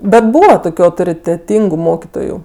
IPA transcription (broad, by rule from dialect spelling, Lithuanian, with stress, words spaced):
ˈbʲɛt ˈbuːʋɐ ˈtoːkʲʊ ɐʊtoːrʲɪtʲɛˈtʲiːŋɡʊ ˈmoːkʲɪtoːjʊ